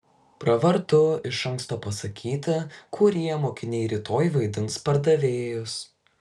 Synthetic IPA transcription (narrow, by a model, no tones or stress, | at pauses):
pɾɐʋɐɾt̪ʊɪʃɐŋˑkst̪oːpɐsɐkʲʰiːt̪ɐkʰuːɾʲiɛmoːkʲɪnʲɛɪɾʲiːt̪oːjʋɐɪd̪ʲɪnspɐɾd̪ɐʋʲeːjʊs